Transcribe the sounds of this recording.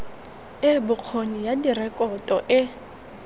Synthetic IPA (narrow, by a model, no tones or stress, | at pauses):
ɪbʊq͡χʰonijadirɛkʼɔtʼɔʔɪ